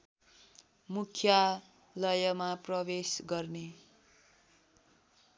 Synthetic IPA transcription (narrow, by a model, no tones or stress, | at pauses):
mukʰja | lʌjʌmaprʌbesɡʌrne